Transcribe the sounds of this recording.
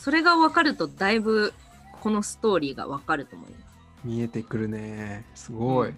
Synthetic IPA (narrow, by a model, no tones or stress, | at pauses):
so̞ɾe̞ɡaβakaɾɯ̟t̪o̞d̪aibɯ̟ | kʰo̞no̞sɨ̥t̪o̞ːɾʲiːɡa̰βakaɾɯ̟t̪o̞mo̞̰ḭmas | mʲie̞t̪ekɯ̟ɾɯ̟nesɨɡoi